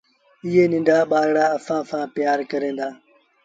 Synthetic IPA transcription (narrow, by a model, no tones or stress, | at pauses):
ɪɦeːnɪ̃nɖaːɓaːɾɽaːəfãːsãːpɪjaːɾkəɾẽːd̪aː